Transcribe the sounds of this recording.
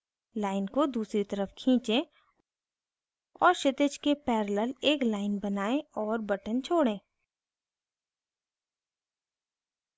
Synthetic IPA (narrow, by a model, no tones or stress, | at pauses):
laːɪnkod̪uːsɾit̪ɐɾəfkʰĩːt͡ʃẽ | ɔːɾʃɪt̪ɪt͡ʃkepɛːɾləleːklaːɪnbɐnaːẽɔːɾbɐʈənt͡ʃʰoːɽẽː